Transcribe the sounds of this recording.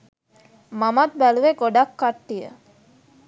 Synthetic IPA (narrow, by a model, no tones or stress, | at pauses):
mamat̪̚bæluʋeɡoɖakːaʈːijə̰